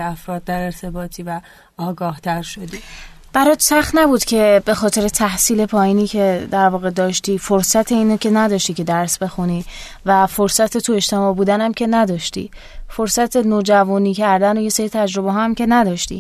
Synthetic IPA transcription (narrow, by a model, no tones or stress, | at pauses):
æfɾɒːd̪̚d̪æɾe̞ɾt̪ʰe̞bɒːt̪ʰiːvæ | ɒːɡɒːht̪ʰæɾʃod̪i | b̥æɾɒːt̪sæxt̪næbuːd̪̥cʰe̞be̞xɒːt̪ʰe̞ɾet̪ʰæhsiːle̞pʰɒːjiːniːkcʰe̞d̪æɾvɒːɣe̞d̪ɒːʃt̪iːfoɾsæt̪ʰe̞iːnocʲʰenæd̪ɒʃt̪icʰe̞d̪æɾsbe̞xuniː | væfoɾsæt̪ʰet̪ʰue̞ʃt̪ʰe̞mɒːbuːd̪ænæmcʰe̞næd̪ɒʃt̪ḭ | foɾsæt̪ʰe̞noːd͡ʒævuːniːcʰæɾd̪ænoje̞seɾit̪ʰæd͡ʒɾo̞beɦɒæmce̞næd̪ɒːʃt̪ḭ